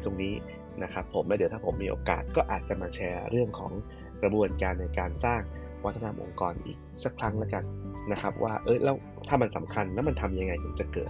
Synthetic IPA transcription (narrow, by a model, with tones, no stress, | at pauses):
t̪o˧ŋniː˦˥ | na˦˥kʰɾa˦˥pʰːo˩˦mlɛ˦˥d̪t̪ʰa˥pʰo˩˦mːiː˧ʔo̰ː˧ka̰ː˨˩t̪̚kɔː˥˩ʔaː˨˩t̪̚t͡ɕa˨˩maː˧t͡ɕʰɛː˧ɾɯ˥˩əŋkʰɔ̰ː˩˦ŋ | kɾa˧bu˧ənkaː˧nːa˧jkaː˧nsaː˥˩ŋ | wa˦˥t̪ʰːa˧na˧mʔo̰˧˩ŋkɔː˧nʔḭː˨˩k̚sa˦˥kʰɾa˦˥ŋlɛ˦˥ka˧nna˦˥kʰɾa˦˥p̚wʔa̰ː˥˩ʔɤː˦˥jlɛː˦˥w | t̪ʰaː˥˩ma˧nsa˩˦mkʰa˧nlɛ˦˥wma˧nt̪ʰa˧mja˧ŋːa˧jt̪ʰo˩˦mt͡ɕa˨˩kɤ̰ː˨˩t̪̚